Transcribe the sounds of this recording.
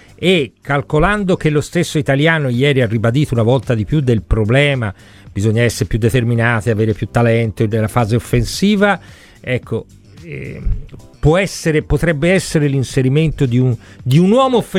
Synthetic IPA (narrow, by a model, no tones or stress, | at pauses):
ekʰːalkoland̪ok̟elːost̪esːoit̪aljaːnojɛːɾiarːibad̪iːt̪ounavɔlt̪ad̪ipjud̪ːelpɾoblɛːma | bizoɲːaɛsːeɾepjud̪ːet̪erminaːt̪eaveːɾepjut̪ːalɛnt̪onelːafaːzeofːensiːva | ɛkːo | ɛ̰ | pwɔɛsːeɾepot̪ɾɛbːeɛsːeɾelinseɾiment̪od̪iund̪iunwɔːmoːfːe